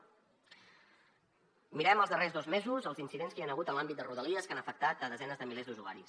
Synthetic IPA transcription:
miɾɛməlˠzðərezðozmezuzəlˠzinsiðenskianəɣ̞ut̪ənlambit̪̚d̪əruð̞əliəskanəfək̚t̪at̪əðəzɛnəzðəmilezðuʒuɣa̰ɾis

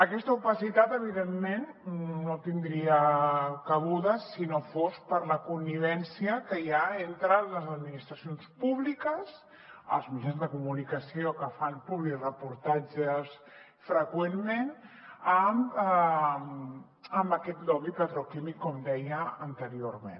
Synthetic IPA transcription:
əkɛst̪əupəsit̪at̪əβ̞iðemːen | not̪ind̪ɾiəkəɣuðəsːinofospəɾləkunːiβ̞ɛnsiəkəjaent̪ɾələzəd̪minist̪ɾəsionspuβlikəs | ə̰lˠzmit͡ʃanzðəkumunikəsiokəfanpuβlirəpuɾt̪ad͡ʒəs | fɾəkwemmenəm | m | əmbəkɛt̪lɔβipət̪ɾokimikːɔmd̪ɛjəːnt̪əɾioɾmḛn

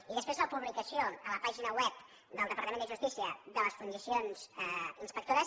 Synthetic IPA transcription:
iðəspɾezləpuβlikəsioələpaʒinəwɛp | d̪əlˠd̪əpəɾt̪əmend̪əʒust̪isiəðələsfund͡ʒisionz̥ɛinspək̚t̪oɾəs

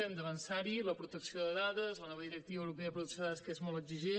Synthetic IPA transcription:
ɛmd̪əβənsaɾiləpɾut̪əksioðəðaðəzlənɔβəðiɾəkt̪iβəwɾupeəðəp̬ɾuðuksoaðəskezmɔlˠt̪əɡziʒe

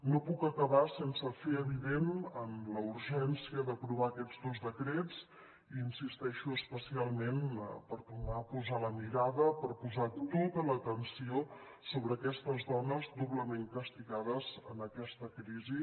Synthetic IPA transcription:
nopukəkəβasensəfeəβiðenəmləuɾʒɛnsiəðəpɾuβ̞aəkɛd͡zðozðəkɾet͡s | iːnsist̪ɛʃuəspəsialˠmenpəɾp̪unapuzaləmiɾaðəpəɾpuzat̪ot̪ələt̪ənsio | soβɾəːkɛst̪əzðɔnəzd̪uβləmeŋkəst̪iɣaðəzənəkɛst̪əkɾizi

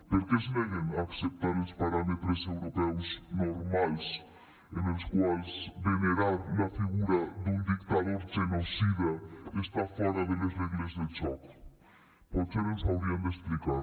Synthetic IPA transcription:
peɾkesneɣeŋaksep̚t̪aɾespaɾamet̪ɾesewɾopɛwsnoɾmajs | eneskwajsbeneɾaɾlafiɣuɾaðund̪ikt̪aðoɾd͡ʒenosiβaest̪afaɾaðelezneɣlezðet͡ʃɔk | pot͡ʃeɾensawɾiamesplikaɾ

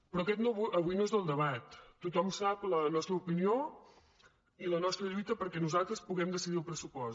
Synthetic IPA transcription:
pɾɔkɛt̪noβuəβujnoezðəlˠd̪əβ̞at̪ːut̪ɔmsaplənɔst̪ɾəupinio | ilənɔst̪ɾəʎujt̪əpəɾkɛnuzalˠt̪ɾəspuɣɛmd̪əsiðiəlˠpɾəsupɔs

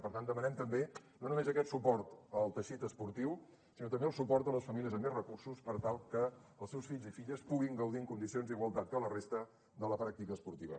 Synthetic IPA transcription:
pəɾt̪and̪əmənɛmt̪əmbenonumezəkɛt̪supɔɾt̪əlˠt̪əʃit̪əspuɾt̪iw | sinot̪əmbeəlˠsupɔɾt̪ələsfəmiliəzəmːezrəkursuspəɾt̪alˠkəəlˠsɛwsfiʎzifiʎəspuɣiŋɡəwðiəŋkund̪isionzd̪iɣwəlˠt̪at̪̚kələrest̪ə | d̪ələpɾak̚t̪ikəːspuɾt̪iβ̞ə̰

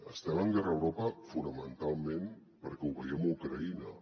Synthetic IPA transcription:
əst̪ɛməŋɡɛrəwɾopəfunəmənt̪alˠmen | pəɾkɛuβəjɛmukɾəinə

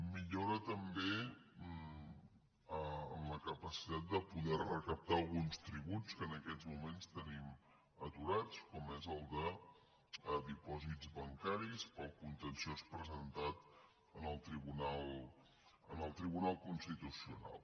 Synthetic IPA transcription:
miʎoɾət̪əmbe | əəmləkəpəsi̥t̪at̪̚d̪əpuðɛrrəkəp̚t̪aəlˠɣunst̪ɾiβut͡skəːnəkɛd͡zmumenst̪ənim | ət̪uɾat͡skɔmezəlˠd̪ə | əd̪ipɔzid͡zβəŋkaɾispəlˠkunt̪ənsiospɾəzənt̪at̪ | ənəlˠt̪ɾiβunalˠ | ənəlˠt̪ɾiβunalˠkunst̪it̪usiuna̰lˠ

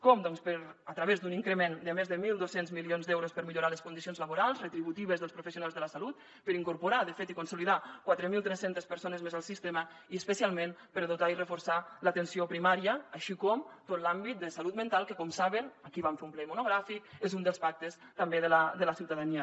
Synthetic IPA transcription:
kɔmd̪ɔnspəɾət̪ɾəβezd̪uniŋkɾəmend̪əmezðəmilˠd̪osenzmilionzd̪ɛwɾospəɾmiʎuɾaləskund̪isionzləβuɾalˠzrət̪ɾiβut̪iβəzðəlˠspɾufəsjunalzðələsalut̪̚ | pəɾiŋkuɾpuɾaðəfet̪ikunsuliðakwat̪ɾəmilˠt̪ɾɛsent̪əspəɾsonəzmezalˠsist̪emə | iəspəsialˠmenpəɾaðut̪airəfuɾsalət̪ənsiopɾimaɾiəːʃikɔmt̪ot̪lambit̪̚d̪əsalut̪mənt̪alˠkəkɔmsaβənəkiβaɱfeumplɛimunuɣɾafikezund̪əlˠspak̚t̪əst̪əmbeðələd̪ələsiwt̪aðaniə

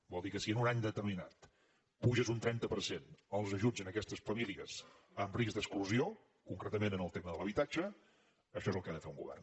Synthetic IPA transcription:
bɔlˠd̪ikəsiənunaɲd̪ət̪ərmina̰t̪ | puʒəzunt̪ɾɛnt̪əpəɾsenəlˠzəʒud͡zənəkɛst̪əsfəmiliəz̥ | əmrizd̪əskluzio | kuŋkɾet̪əmenənəlˠt̪eməðələβit̪ad͡ʒə | əʃɔezəlˠkəaðəfeuŋɡuβɛ̰rn

